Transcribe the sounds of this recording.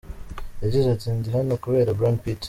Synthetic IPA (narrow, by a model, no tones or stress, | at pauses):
eɟizaziːɲɟiɦanokuβe̞ːɾabɾanpit